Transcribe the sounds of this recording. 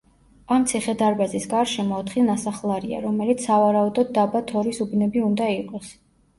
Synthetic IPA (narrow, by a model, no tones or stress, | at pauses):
amt̪sʰiχɛd̪aɾbazisɡaɾʃɛmɔɔt̪ʰχinasaχlˠaɾia̰ɾɔmɛlit̪ssavaɾaud̪ɔd̪̚ːabat̪ʰɔɾisubnɛbiund̪aiqʼɔs